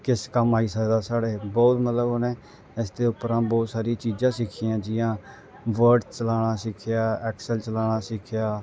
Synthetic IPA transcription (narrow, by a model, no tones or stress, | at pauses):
kɪskəmaːiːsəkd̪aːsaːɽeːbɔːt̪mət̪ləbɦʊnɛː | ɪsd̪eːʊpɾãːbɔːt̪saːɾiːt͡ʃiːd͡ʒãːsɪkʰiːãːd͡ʒɪjãː | ʋəɾɖt͡ʃəlaːɽ̃aːsɪkʰjaːɛːksəlt͡ʃəlaːɽ̃aːsɪkʰɪjaː